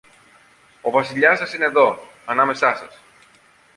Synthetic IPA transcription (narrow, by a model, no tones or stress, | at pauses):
o̞vɐsiʎɐsɐsineðo̞ | ɐnɐme̞sɐsɐs